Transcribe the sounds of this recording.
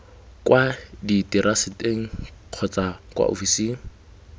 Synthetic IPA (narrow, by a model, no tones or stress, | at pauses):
kwaditiɾasɪtʼeŋ̩q͡χʰɔt͡sʼakʼwa̰ʔo̰fisi